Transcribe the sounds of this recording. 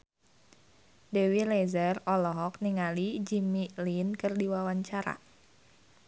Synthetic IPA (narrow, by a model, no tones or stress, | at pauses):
dewilezərɔlɔɦɔk̚niŋalid͡ʒimilinkɨrdiwawaɲt͡ʃaɾa̰